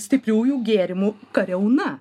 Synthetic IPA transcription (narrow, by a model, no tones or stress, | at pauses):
st̪ʲɪpʲɾʲuːjuːɡʲeːɾʲɪmukɐɾʲɛʊnɐ